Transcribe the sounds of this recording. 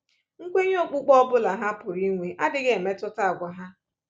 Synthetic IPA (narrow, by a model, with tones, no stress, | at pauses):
ŋ̩˦kʷe˦ɲ˦o˦k͡pu˦k͡pɔ˦bʊ˦la˨ɦa˦pʊ˨ɾi˦ŋʷe˨ʔa˦dɪ˨ɡe˦˨me˦tʊ˦ta˦a˨ɡʷa˨ɦa˦